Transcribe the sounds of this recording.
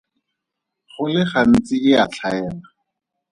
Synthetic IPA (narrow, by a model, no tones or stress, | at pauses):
χʊlɪχan̩t͡sɪɪat͡ɬʰaɛːla